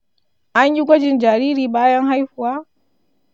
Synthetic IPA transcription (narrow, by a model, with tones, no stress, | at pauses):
a˦ɲu˦kʷɔ˦d͡ʒi˨nd͡ʒa˨ɾi˦ɾi˨ɓa˦ja˦ŋɦa˦jfu˨a˦